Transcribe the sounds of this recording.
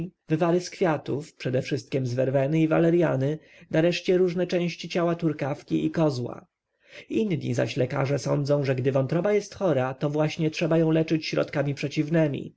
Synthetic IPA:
vɘvaɾɘskfʲjat̪ufpʂɛd̪ɛfʂɘst̪̚kʲɛmzvɛɾvɛnɘiva̰lɛɾjanɘ | naɾɛʂt͡ɕɛɾuʐnɛt͡ʂɛ̃w̃ɕt͡ɕit͡ɕawat̪uɾkafkʲiʔikɔzwa̰ | inɲḭza̰ɕlɛka̰ʐɛsɔ̰nd̪zɔ̃w̃ʐɛɡd̪ɘvɔ̃nt̪ɾɔbajɛst̪xɔɾat̪ɔvwaɕɲɛtʂɛbajɔ̃w̃lɛt͡ʂɘt͡ɕɕɾɔ̰t̪kamʲipʂɛt͡ɕivnɛmʲḭ

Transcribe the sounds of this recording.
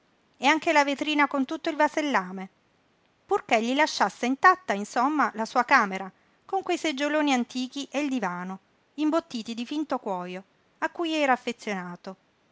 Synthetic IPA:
eaŋkelavet̪ɾiːnakont̪ut̪ːoilvaselːaːme | purkeʎːilaʃːasːeint̪at̪ːainsomːalasuːakaːmeɾa | koŋkwejsed͡ʒːoloːniant̪iːk̟iʔeild̪ivaːno | imbot̪ːiːt̪id̪ifint̪okwɔːjo | akːujɛːɾaːfːet̪sːjonaːt̪o

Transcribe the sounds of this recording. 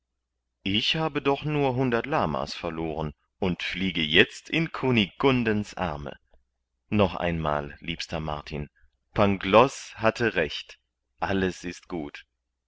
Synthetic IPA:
ʔɪçhaːbədɔχnuːɐɦʊndɐtlaːma̰sfɛɐloːʁən | ʔʊntfliːɡəjɛt͡stʰɪnkʰuniɡʊndənsʔa̰ɐmə̰ | nɔχʔa̰ɪnma̰ːlliːpstɐma̰ɐtʰḭn | pʰaŋɡlɔshatʰəʁɛçt | ʔaləsɪst̚ɡ̥uːt

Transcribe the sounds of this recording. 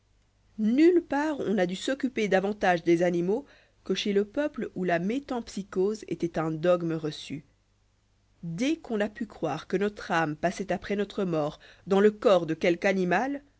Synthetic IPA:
nylpaʁɔ̰̃nad̪ysɔkʲyped̪avɑ̃t̪aʒd̪ezanimo | kəʃeləpœplulamet̪ɑ̃psikozḛt̪ɛt̪ɛ̃d̪ɔɡməʁəsy | d̪ɛkɔ̃napykχwaːʁkənɔt̪χampasɛt̪apχɛnɔt̪χəmɔːʁd̪ɑ̃ləkɔʁd̪əkʲɛlkanimal

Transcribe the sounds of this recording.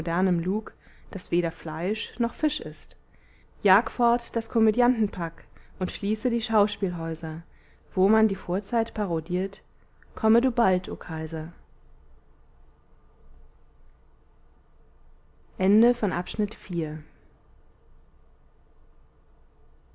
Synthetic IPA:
dɛɐnəmluːk | d̥asv̥eːɾɐflaɪʃnɔχfɪʃɪst | jaːkəfɔɐtd̥askʰɔmedjantn̩pʰakʔʊntʃliːsədiːʃaʊʃpiːlɦɔʏzɐ | v̥oːmandiːfoːɐt͡saɪtpʰaʁodiːɐt | kʰɔməduːbaltʰʔoːkʰaɪzɐ | ʔɛndəfɔnʔapʃnɪtfiːɐ

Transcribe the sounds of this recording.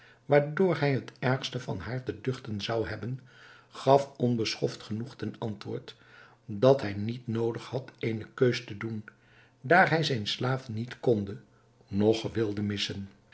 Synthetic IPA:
ʋaːɹdʊːɹɦɛjɦətɛɹχstəvɑ̰nɦaːɹtədʏχtənzɑwɦɛbənχɑfɔnbəsχɔftχənuχtɛnɑntʋʊ̰ːɹt | dɑtɦɛjnitnowdəχhɑtejnəkøɥstədun | daːɹɦɛjzɛjnslaːfnitkɔndə | nɔχʋɪlˠdəmɪsən

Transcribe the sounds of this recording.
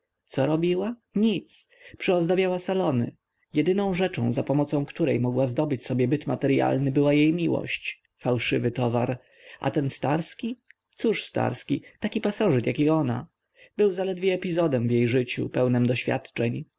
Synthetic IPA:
t̪sɔɾɔbʲiwaɲit̪s | pʂɘɔzd̪abʲjawasalɔnɘ̰ | jɛd̪ɘnɔ̃w̃ʐɛt͡ʂɔ̰̃w̃zapɔmɔt̪sɔ̃w̃kt̪uɾɛjmɔɡwazd̪ɔbɘt͡ɕsɔbʲjɛbɘt̪mat̪ɛɾja̰lnɘbɘwajejmʲiwɔ̰ɕt͡ɕ | fawʂɘvɘt̪ɔvaɾ | ʔa̰t̪ɛnst̪aɾskʲi | t̪suʂst̪a̰ɾskʲit̪akʲipasɔʐɛt̪jakʲiɔna̰ | b̥ɘwzalɛd̪vʲjɛɛpʲizɔd̪ɛmvjejʐɘt͡ɕṵpɛwnɛmd̪ɔɕfʲa̰t̪t͡ʂɛɲ

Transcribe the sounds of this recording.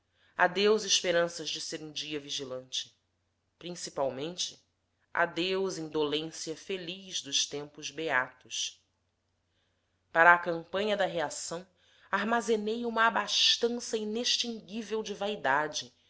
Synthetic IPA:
a̰d̪ewzɪʃpeɾɐ̃sɐzd͡ʒɪseɾũd͡ʒiɐviʒilɐ̃nt͡ʃɪ̥ | pɾĩsipawmẽnt͡ʃɪ | ʔa̰d̪ewzẽd̪olẽsiɐfeliʒd̪ʊʃt̪ẽmpʊzbeat̪ʊs | paɾɐːkɐ̃mpɐ̃ɲɐd̪ɐɦeasɐ̃w̃ | aɾmazenejũmɐːbaʃt̪ɐ̃sɐineʃt͡ʃĩŋɡivewd͡ʒɪvaid̪ad͡ʒɪ

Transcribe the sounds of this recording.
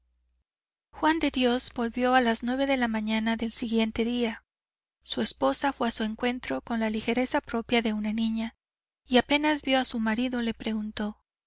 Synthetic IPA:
xwand̪e̞ðjo̞zbo̞lβjo̞alaznwe̞β̞e̞ðe̞lamãɲanaðe̞lsiɣje̞nt̪e̞ðia | sue̞spo̞safwe̞asue̞ŋkwe̞nt̪ɾo̞ko̞nlalixe̞ɾe̞sapɾo̞pjaðe̞unanĩɲa | iape̞nazbjo̞asumaɾiðo̞le̞pɾe̞ɣunt̪o̞

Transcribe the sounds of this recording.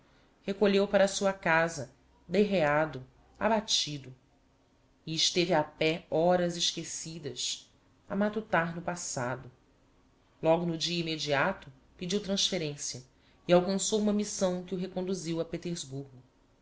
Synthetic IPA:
hekoʎewpaɾɐːsuɐkazɐ | d̪eɦead̪ʊ | a̰bat͡ʃid̪ʊ | ɪɪʃt̪evɪapɛɔɾɐzɪʃkesid̪ɐs | ɐmat̪ut̪aɾnʊpasad̪ʊ | lɔɡʊnʊd͡ʒiɐimed͡ʒiat̪ʊ | pid͡ʒiwt̪ɾɐ̃sfeɾẽsiɐ | iawkɐ̃sowumɐmisɐ̃w̃kɪʊɦekõnd̪uziwɐpet̪eɾzbuɾɡʊ

